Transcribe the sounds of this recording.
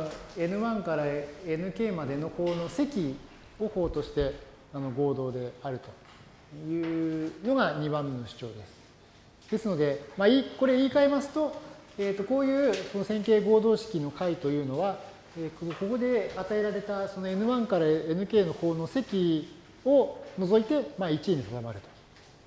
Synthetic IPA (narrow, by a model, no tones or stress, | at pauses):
oe̞nɯ̟βãŋkaɾaenɯ̟ke̞ːmad̪e̞no̞ho̞ːno̞se̞kʲi | o̞ho̞ːt̪o̞ɕi̥t̪e̞ | ano̞ɡo̞ːd̪o̞ːd̪e̞aɾɯ̟t̪o̞̥ | jɯ̟ːno̞ɡaɲ̟iβãmːenoɕi̥t͡ɕo̞̰ːd̪e̞sɨ̥ | d̪̥e̞sɨno̞d̪e̞maiko̞ɾe̞iːkaemasɨ̥t̪o̞ | eːt̪ːo̞ko̞ːjɯ̟ːso̞no̞sẽ̞ŋke̞ːɡo̞ːd̪o̞ːɕi̥kʲino̞kait̪o̞jɯ̟ːno̞βa | eːkko̞ko̞d̪e̞at̪ae̞ɾaɾe̞t̪aso̞noe̞nɯ̟βãŋkaɾae̞nɯ̟ke̞ːno̞ho̞ːno̞se̞kʲi | o̞no̞zo̞it̪e̞mait͡ɕiɲ̟isad̪amaɾɯ̟t̪o̥